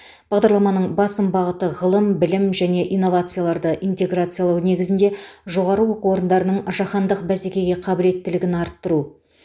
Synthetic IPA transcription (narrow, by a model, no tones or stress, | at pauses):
b̥ɑʁd̪ɑɾlˠɑmɑnəɴbɑsəmbɑʁət̪əʁəlˠəmbɪlɪmʒæne̞ʔijnːo̞vat̪sɨjalˠɑɾd̪əʔint̪e̞ɡrat̪sɨjalˠɑwne̞ɡʲɪzɪnd̪e̞ʒo̞ʁɑɾəwo̞quwo̞ɾənd̪ɑɾənəɴʒɑχɑnd̪əqbæsekʲe̞ɡʲe̞qʰɑbɪle̞t̪ːɪlɪɡʲɪnɑɾt̪ːəɾu